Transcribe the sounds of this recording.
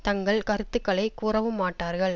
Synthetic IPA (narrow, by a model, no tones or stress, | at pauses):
t̪ɐŋɡɐɭkɐɾɯt̪ːɯkːɐɭɐɪkːuːrɐʋɯmːaːʈːaːɾɣɐɭ